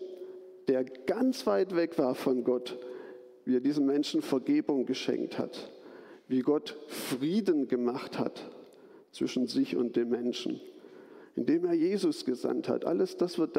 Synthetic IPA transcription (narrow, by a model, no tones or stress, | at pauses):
d̥eːɐɡ̥ant͡sv̥aɪtv̥ɛkv̥aːɐfɔnɡɔt | viːɐdiːzəmɛnʃn̩fɛɐɡeːbʊŋɡəʃɛ̰ŋk̚tha̰tviːɡɔtfʁ̥iːdn̩ɡəmaχtha̰t | t͡sv̥ɪʃn̩zɪçʊ̰nt̚d̥eːmɛnʃn̩ | ʔɪndeːmeːɐjeːzʊsɡ̥əza̰ntha̰tʔa̰ləsd̥asv̥ɪɐt̚d̥